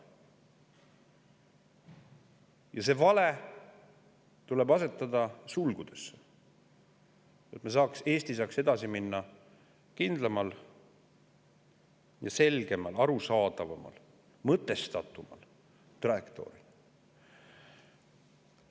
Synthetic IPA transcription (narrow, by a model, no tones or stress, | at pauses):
jɑse̞vɑle | t̪ule̞bɑse̞t̪ːˑɑd̪̥ɑsulɡ̥ud̪̥e̞sːe̥ | et̪mes̬ɑːkse̞ːst̪isɑːkse̞d̪ɑsiminːɑ | kind̪̥lɑmɑl | jɑse̞lɡe̞mɑlɑɾusɑːd̪ɑvɑmɑ̰l | mɤt̪ːˑe̞st̪ɑt̪ːˑumɑ̰l | t̪rɑekt̪o̞̰ɾi